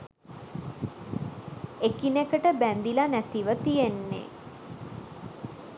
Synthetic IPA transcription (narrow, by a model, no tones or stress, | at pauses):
ekinekəʈəbænd̪ilanæt̪iʋət̪ijenːḛ